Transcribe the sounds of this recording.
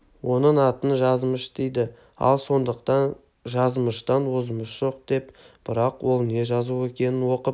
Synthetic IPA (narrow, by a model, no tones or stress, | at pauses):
wo̞nəɴɑt̪ənʒɑzməʃd̪ejd̪ɪ | ɑ̰lˠso̞nd̪əqt̪ɑn | ʒɑzməʃt̪ɑnwozəməʃʒ̥o̞q̚d̪̥e̞p | b̥ɪɾɑqwo̞lˠne̞ʒɑzue̞kʲe̞nɪnwo̞qəp̚